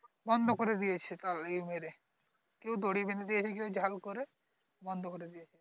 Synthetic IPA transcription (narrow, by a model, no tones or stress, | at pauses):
bɔnd̪ʱokoɾed̪ijet͡ɕʰet̪alemeɾe | kewd̪oɽibʱind̪id̪ijet͡ɕʰekewd͡ʑʱalkoɾe | bɔnd̪ʱokoɾed̪ijet͡ʃʰe